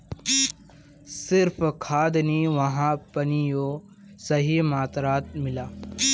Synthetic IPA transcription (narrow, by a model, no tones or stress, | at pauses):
sɪɾfkʰaːd̪niʋɐɦãpɐnijoː | sɐɦimaːt̪ɾaːt̪̚mɪlaː